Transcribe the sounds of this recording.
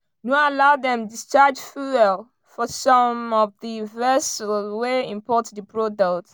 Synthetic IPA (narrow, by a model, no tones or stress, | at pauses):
noalaʊdɛ̃mdist͡ʃad͡ʒfuɛl | fɔsɔ̃mɔvðivɛslweĩmpʰɔtdəpʰɹodɔkt